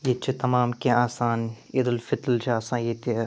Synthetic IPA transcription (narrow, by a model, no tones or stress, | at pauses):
jet͡ʃʰit̪ɐmaːmkeaːsaːn | id̪ɐlfɪt̪lt͡ʃʰaːsãːnjet̪e